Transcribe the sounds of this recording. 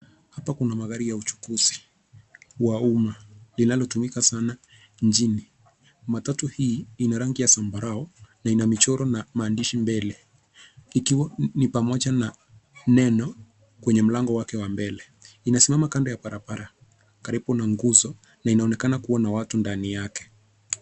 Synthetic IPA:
hapakunamaɣaɾijaut͡ʃu̥kuzi̥ | waumalinalɔtumikasana | ɲd͡ʒini | matatuhiːinaɾaŋɡijasambaɾaɔnainamit͡ʃɔɾɔnamaːndiʃimbɛlɛ | ikiwanipamɔʄana | nɛnɔ | kwɛɲɛm̩laŋɡɔwakɛwambɛlɛ | inasimamakandɔjapaɾapaɾa | kaɾipunaŋɡuzɔ | nainaɔnɛkanakuanawatundanijakɛ̥

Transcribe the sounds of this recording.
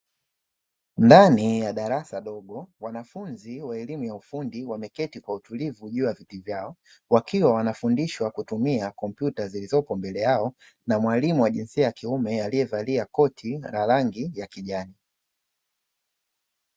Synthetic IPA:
ndanijaɗaɾasaɗɔɠɔwanafunziwaɛlimujaufundiwamɛkɛtikwautulivuʄuavitivjaɔ | wakiwawanafundiʃwakutumiakɔmpjutazilizɔpɔmbɛlɛjaɔ | namwalimuwaʄinsiajakiumɛalijɛvaliakɔtʰiɾalaŋɡijakiʄani

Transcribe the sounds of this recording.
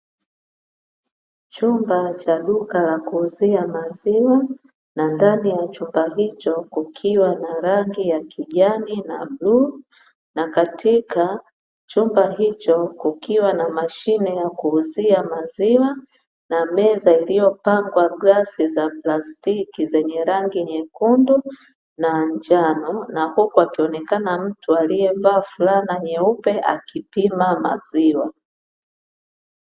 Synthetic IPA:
t͡ʃumbat͡ʃaɗukalakuːziamaziwa | nandanijat͡ʃumbaɦit͡ʃɔkukʰiwanaɾaŋɡijakʰiʄanina̰bluː | nakatʰikʰa | t͡ʃumbaɦit͡ʃɔkukʰiwanamaʃinɛjakuːziamaziwa | namɛzailijɔpaŋɡwaɡlasizaplastikizɛɲɛɾaŋɡiɲɛkundu | naɲd͡ʒanɔnahukuakiɔnɛkanam̩tʰualijɛvaːfulanaɲɛupɛʔa̰kipimama̰ziwa

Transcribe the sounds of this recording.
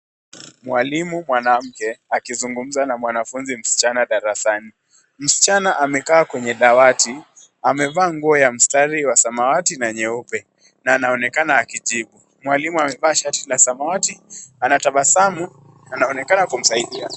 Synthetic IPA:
mwalimumwanam̩kɛakizuŋɡum̩zanamwanafunzim̩si̥t͡ʃanaɗaɾasani | m̩si̥t͡ʃanaʔamɛkaːkwɛɲɛɗawati | amɛvaːŋɡuɔjam̩staɾiwasamawatinaɲɛupɛ | naːnaɔnɛkanaːkiʄiɓu | mwalimuamɛvaːʃatilasamawatianataɓasamu | naːnaɔnɛkanakum̩saiɗia

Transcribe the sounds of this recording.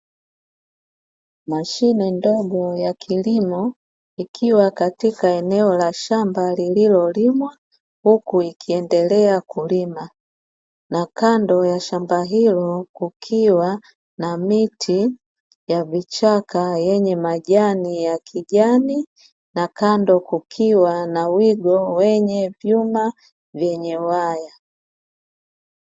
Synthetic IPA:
maʃinɛndɔɡɔjakʰilimɔ | ikʰiwakatikaɛnɛɔlaʃambalililɔlimwa | hukuikʰiɛndɛlɛakulima | nakandɔjaʃambaɦilɔkukʰiwa | namitʰi | javit͡ʃakajɛɲɛmaʄanijakʰiɟani | nakandɔkukʰiwanawiɡɔwɛɲɛvjuma | vjɛɲɛwaja

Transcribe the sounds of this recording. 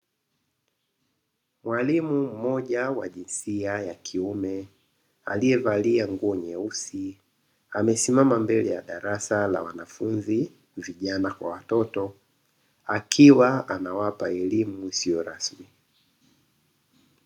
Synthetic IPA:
mwalimum̩mɔʄawaʄinsiajakʰiumɛ | a̰liɛvaliaŋɡuɔɲɛusi | amɛsimamambɛlɛjaɗaɾasala̰wa̰nafunzi | viʄanakwa̰watɔtɔ | akʰiwaanawapaɛlimuisijɔɾasmi

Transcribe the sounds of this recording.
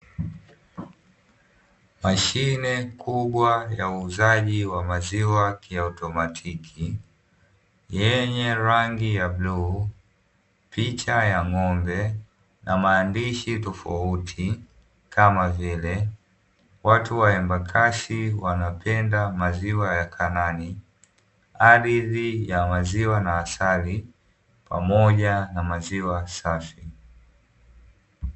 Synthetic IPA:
maʃinɛkʰuɓwajauːzaʄiwamaziwakiautɔmatʰikʰi | jɛɲɛɾaŋɡijaɓlu | pit͡ʃajaŋɔmbɛ | nʔamaːndiʃitɔfa̰utʰi | kʰamavilɛ | watuwaɛmbakʰasiwanapʰɛndamaziwajakʰanani | aɗiðijamaziwanaːsali | pa̰mɔʄanamaziwasafi

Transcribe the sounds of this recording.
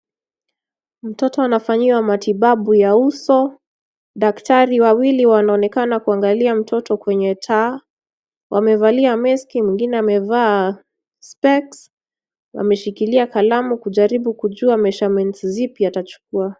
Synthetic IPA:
m̩tɔtɔanafaɲiwamatiɓaɓujausɔ | ɗaktaɾiwawiliwanaɔnɛkanakuaŋɡaliam̩tɔtɔkwɛɲɛtʰa | wʔamɛvaliamɛskimwiŋɡinɛamɛvaː | spɛks | wa̰mɛʃikiliakalamukuʄaɾiɓukuʄuamɛʃamɛntzipjiatat͡ʃu̥kua

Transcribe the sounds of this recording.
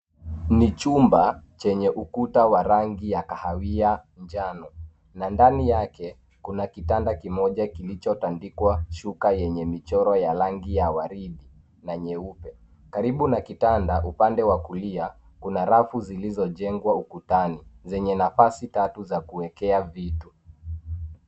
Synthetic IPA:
nit͡ʃumbat͡ʃɛɲɛʔukutawaɾaŋɡijakahawia | nd͡ʒanɔ | nandanijakɛ | kunakitandakimɔʄakilit͡ʃɔtandikwaʃukajɛɲɛmit͡ʃɔɾɔjaɾaŋɡijawaɾiɗi | naɲɛupɛ | kaɾiɓunakitandaʔupandɛwakulia | kunaɾafuzilizɔʄɛŋɡwaukutanizɛɲɛnafasitatuzakuwɛkɛavitu

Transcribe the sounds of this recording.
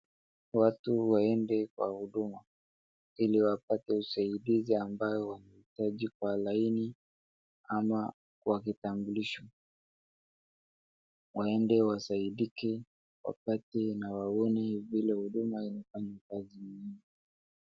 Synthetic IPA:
watuwaɛndɛkwa̰huɗuma | iliwapatɛusaiɗiziambajɔwanahitaʄikwalaini | ama | wak̬itambuliʃa | waɛndɛwasaiɗikɛ | wa̰patɛnawaɔnɛivilɛhuɗumainafaɲakaziɲɲiŋi

